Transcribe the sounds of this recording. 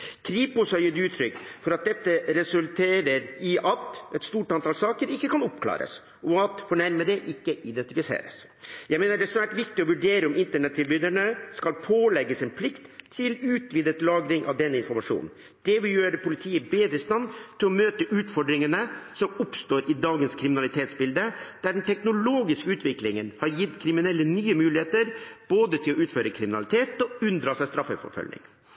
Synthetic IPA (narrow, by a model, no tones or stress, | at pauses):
kʰɾiːpʊshɑjɪːd̪ʉːt̪ʰɾʏkːfɔɾɑt̪̚d̪ɛt̪ːəɾɛsʉlt̪ʰeːɾəɾɪʔɑt̪ɛt̪st̪uːʈɑnt̪ʰɑːlsɑːkəɾɪkːəkʰɑnɔpkʰlɑ̰ːɾə̰s | ɔɑt̪fɔɳæɾməd̪ɛʔɪkːəʔɪd̪ɛnt̪ɪfɪsḛːɾə̰s | jæɪmeːnəɖɛsʋæːʈʋɪkt̪ɪɔʋʉɖeːɾəʊmɪnt̪əɳɛt̪ʰːɪlbʏd̪əɳəskɑlpʰoːlɛɡːəsɛnpʰlɪkt̪ʰːɪlʉːt̪ʋiːd̪ət̪lɑːɡɾɪŋʔɑ̰ʋd̪ɛnːəɪnfɔɾmɑʂṵːnn̩ | d̪ɛʋɪljøːɾəpʊlɪt̪ʰiːəbeːd̪ɾəɪst̪ɑnt̪ʰɪlɔmøːt̪əʔʉːt̪fɔɖɾɪŋənəsɔmʊpst̪oːɾʔɪd̪ɑːɡənskʰɾɪmɪnɑlɪt̪ʰeːt̪sbɪld̪əd̪̥æɖɛnt̪ʰɛknʊloːɡɪskəʉːt̪ʋɪklɪŋənhɑɾjɪt̪ːkʰɾɪmɪnɛlːənyːəmʉːlɪheːt̪əɾb̥oːd̪ət̪ʰɪlɔʉːt̪føːɾəkʰɾɪmɪnɑ̰lɪt̪ʰeːt̪ɔʉnd̪ɾɑːsæst̪ɾɑfəfɔ̰ɾfœ̰lnɪ̰ŋ